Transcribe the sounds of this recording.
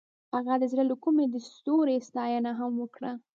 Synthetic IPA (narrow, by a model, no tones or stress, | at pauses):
haɣad̪əzɽələkumed̪əsst̪oɾest̪ɑjanaɦamwəkɽa